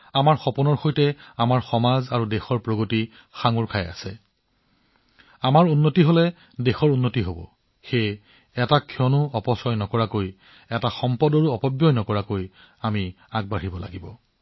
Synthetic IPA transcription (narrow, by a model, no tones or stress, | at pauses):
amaɹxɔpunɔɹxojtɛamaɹxɔmazaɹudexɔɹpɹoɡoti | xaŋuɹkʰaja̰sɛ | amaɹunːotiɦolɛ | dexɔɹunːotiɦobɔ̰ | xej | ɛtakʰiɔnʊɔpɔsɔjnɔkɔɹakoj | ɛtaxɔmpɔdɔɹuɔpɔbjɔjnɔkɔɹakoj | ami | aɡ̚baɹibɔla̰ɡibɔ